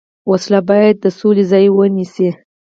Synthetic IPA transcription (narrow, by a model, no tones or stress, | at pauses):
waslabɑjad̪̚ːəsolezɑjwənisi